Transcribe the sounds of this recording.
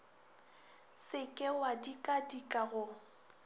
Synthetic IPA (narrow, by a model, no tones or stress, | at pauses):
sɪkʼɪwadikʼadikʼaɣʊ